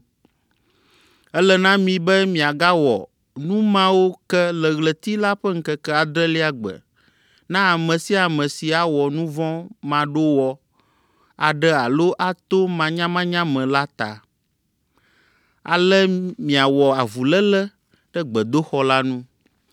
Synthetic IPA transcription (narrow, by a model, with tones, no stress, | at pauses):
ɛ˦lɛ˨nã˦mĩ˨bɛ˦mĩ˨a˨ɡa˦wɔ̰˨ | nũ˦mã˦wo˦kɛ˦lɛ˨ɣlə˨t̪i˦la˦ɸɛ˦ŋ̩˦kɛ˦kɛ˦a˨d̪ɾɛ˦li˦a˦ɡ͡bɛ̰˨ | nã˦a˨mɛ̃˨si˦a˨mɛ̃˨si˨a˨wɔ˨nũ˦vɔ̃˦mã˨ɖo˦wɔ˨ | a˨ɖɛ˦a˨lo˦ʔa˦t̪o˦mã˨ɲã˦mã˦ɲã˦mɛ̃˨la˦t̪a̰˨ | a̰˨lɛ˦mĩ˨a˨wɔ˨a˨vu˨lɛ˦lɛ˦ | ɖ̥ɛ˦ɡ͡bɛ˨d̪o˦xɔ˦la˦nũ˦